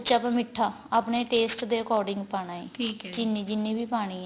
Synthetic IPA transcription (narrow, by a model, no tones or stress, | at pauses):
t͡ʃapãːmɪʈʰːaː | aːpɳeːʈeːsʈd̪eːəkɔːɾɖɪ̃ŋɡpaːnaːḛːiːd͡ʒɪnːĩːd͡ʒɪnːĩːbʱiːpaːɽ̃iːɛ